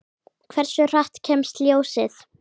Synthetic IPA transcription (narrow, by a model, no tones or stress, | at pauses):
kʰv̥ɛɾ̥sʏr̥aht̪cʰɛːmst̪ljoːwsɪθ